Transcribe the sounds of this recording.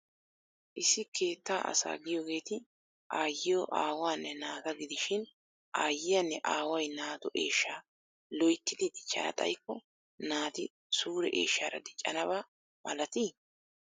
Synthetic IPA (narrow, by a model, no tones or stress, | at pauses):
ʔɪsːɪkʰe̞ːt̪ːaːʔɐ̰sa̰ːɡɪjoːɡe̞ːt̪ɪ | ʔaːjːɪjoʔaːwaːnːɛnaːt̪ɐɡɪd̪ɪʃɪn | ʔaːjːɪjɐnːɛʔaːwɐjnaːt̪ɔʔeːʃːaː | lɔjt̪ːɪd̪ɪd̪ɪt͡ʃʼːɐ̰nɐ̰t̪ʼɐ̰jkːɔ | naːt̪ɪ | suːɾɛʔḛːʃːaːɾɐ̰d̪ɪt͡ʃʼːɐ̰nɐbaː | mɐlɐt̪iː